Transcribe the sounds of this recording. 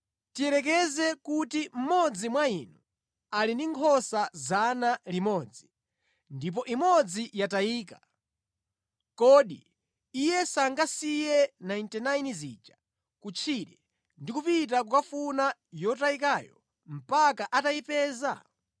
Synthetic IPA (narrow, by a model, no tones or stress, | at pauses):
tiɛɾɛk̬ɛzɛkutim̩mɔd͡zimwainu | alindiŋkʰɔsazanalimɔːd͡zi | ndip̬ɔʔimɔd͡zijataiːka | kɔɗi | ijɛsaŋɡasijɛnaintɛnajnzḭːt͡ʃa | kut͡ʃʰiɾɛ | ndikupit̬ak̬ukafunajɔtaikaːjɔ̰ | m̩pakaʔataipɛːza̰